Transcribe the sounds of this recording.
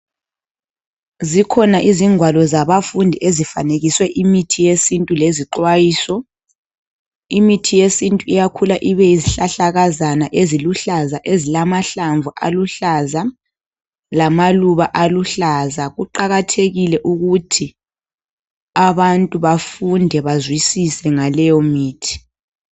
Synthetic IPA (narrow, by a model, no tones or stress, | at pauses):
zikʰɔnaʔiziŋwalɔzaβafundʱiʔezifa̰neɣiswɛʔimitʰijesintʼuleziǃwajiːsɔ | imitʰijesintʼuijakʰulaʔiβɛiziɬaɬaɣazanaʔeziluɬazaʔezilamaɬaɱvuʔa̰luɬaza | lamaluβaʔaluɬazaɣuǃaɣatʰeɣilɛʔuɣutʰi | aβantʼuβafundʱɛβazwisisɛŋalɛjɔmiːtʰi̥